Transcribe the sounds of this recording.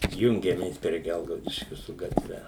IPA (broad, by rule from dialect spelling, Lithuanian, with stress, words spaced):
tʲɪk ˈjʊŋʲɡʲɛmʲeːs pʲrʲiɛ ˈɡʲɛlˠɡɐʊdʲɪʃʲkʲʊ sʊ ɡɐtʲˈʋʲɛ